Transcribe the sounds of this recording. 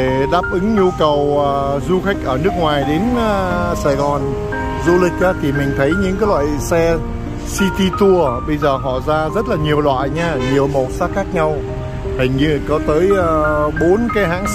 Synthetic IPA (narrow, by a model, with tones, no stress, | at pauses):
e˧˩ɗaː˦˥p̚ʔɨ˨˦ŋɲu˧kə˨˩wʔəː˨˩zu˧xa˦˥jk̟̚ʔəː˧˩nɨ˦˥ək̚ŋwaː˨˩jɗe˨˦nː˨saː˨˩jɣɔ˨˩n | zu˧lï˨˩k̟̚ʔaː˨˦t̪ʰi˨˩mï˨˩ŋ̟t̪ʰə˨˦jɲɨ̰˧˥ŋkaː˨˦jlwa̰ː˧˨jsɛ˧ | si˧t̪i˧t̪u˧əɓə˧jzəː˨˩ɦɔ̰˧˨zaː˧zə˦˥t̚laː˨˩ɲi˨˩əwlwa̰ː˧˨jɲaː˧ɲi˨˩əwmɔ˨˩t̚saː˦˥xaː˦˥k̚ɲa˧w | ha˨˩jŋ̟ɲɨ˧kɔ˨˦t̪əː˨˦jːɓo˨˦nkaː˨˦jɦa̰ː˧˥ŋ